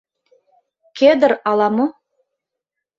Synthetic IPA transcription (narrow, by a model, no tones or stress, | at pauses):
kʲed̪ɘɾɑlˠɑmo